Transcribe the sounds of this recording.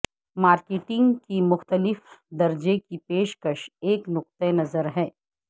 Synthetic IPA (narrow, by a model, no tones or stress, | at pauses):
maːɾkeːʈɪ̃ŋɡkimʊxt̪əlɪfd̪ɐɾd͡ʒekipeːʃkəʃeːknʊq̚t̪enɐzəɾɦɛː